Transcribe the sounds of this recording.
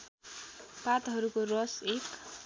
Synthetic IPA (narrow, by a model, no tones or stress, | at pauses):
pat̪ɦʌɾukorʌsek